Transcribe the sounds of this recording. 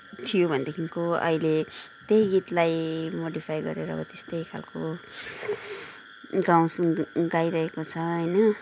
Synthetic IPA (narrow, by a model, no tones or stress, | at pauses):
t̪ʰijobʱʌnd̪ekʰiŋkoʌ̰ile | t̪ejɡit̪lajmoɖipʰajɡʌ̰ɾeɾʌ̰ːbʌt̪est̪ʌjkʰa̰lko | ɡaw̃suɡajɾʌɦekot͡sʰʌʌjnʌ